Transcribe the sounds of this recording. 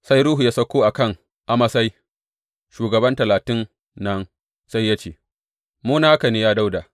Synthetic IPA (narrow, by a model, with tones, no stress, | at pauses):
sa˦jɾuː˦ɦu˨ja˦sɐ˦kʷoː˦ʔa˨kɐ˦˨ŋ | ʔa˦mɐ˦sa˦j | ʃuː˨ɡɐ˨bɐ˦ntɐ˨laː˨tɪ˦nː | ɐ˦n | sa˦jːa˦t͡ʃeː˨ | moː˦na˦ʔa˦kɐ˨niː˦jaː˦da˦wda˨